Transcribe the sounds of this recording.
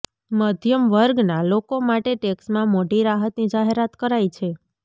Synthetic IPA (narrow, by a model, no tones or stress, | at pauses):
məd̪ʱjəmʋəɾɡnalokomaʈeʈeksmãmoʈiɾaɦət̪nid͡ʒaɦeɾat̪kəɾajt͡ʃʰe